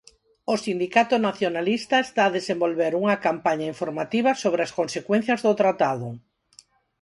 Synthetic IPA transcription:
ʊsind̪ikat̪ʊnaθjonalist̪aest̪aːðesembolβeɾuŋɐkampaɲaiɱfoɾmat̪iβɐsoβ̞ɾeaskonsekwẽn̟θjɐzðʊt̪ɾat̪aðʊ

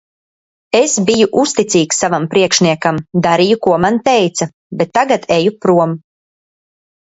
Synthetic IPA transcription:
esbijuʔust̪it̪siːksavampɾiɛkʃniɛkamd̪aɾijukuɔmant̪ɛjt̪sa | bet̪ːaɡat̪ʰejupɾuɔm

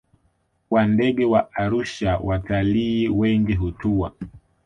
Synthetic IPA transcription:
wandɛɠɛwaaɾuʃawataliːwɛŋɡiɦutua̰

